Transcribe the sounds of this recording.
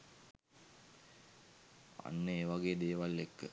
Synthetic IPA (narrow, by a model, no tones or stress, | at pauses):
a̰nːəeːʋaɡeːd̪eːʋalːekːə